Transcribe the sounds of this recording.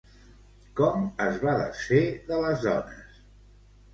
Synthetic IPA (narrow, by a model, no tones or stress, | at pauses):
kɔməzβaðə̰ʃeðələzðɔ̰nəs